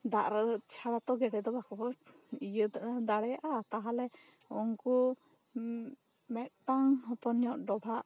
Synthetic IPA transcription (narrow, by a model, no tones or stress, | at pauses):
d̪aʔɾət͡ʃʰaɽat̪ɔɡɛɖɛd̪ɔbakɔ | ijəd̪aɽɛjaʔat̪aɦalɛ | ɔŋku | mɛt̪̚ʈaŋhɔt̪ɔnjɔʔɖɔbʱaʔ